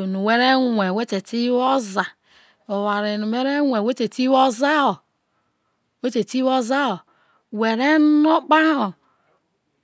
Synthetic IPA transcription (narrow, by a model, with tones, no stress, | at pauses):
nu˨we˦ɾe˦ŋʷe˨we˦te˨ti˦wo˦za˨ | o˨wa˨ɾe˨nu˨we˦ɾe˦ŋʷe˨we˦te˨ti˦wo˦za˦o˨ | we˦te˨ti˦wo˦za˦o˨ | we˨ɾe˦no˦k͡pa˦ho˨